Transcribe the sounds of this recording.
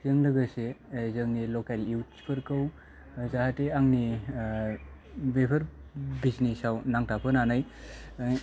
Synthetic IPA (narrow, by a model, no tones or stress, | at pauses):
zəŋlɯɡəsezəŋnilɔkaliwtspʰɯɾkɯw | zaɦateaŋni | bepʰəɾbiznisawnaŋtʰapʰɯnanaj